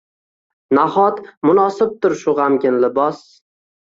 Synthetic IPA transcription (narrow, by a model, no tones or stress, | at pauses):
naχɒt̪mʊnɒsɪp̚t̪ʰʊɾʃʊʁamɡʲɪnlɪbɒs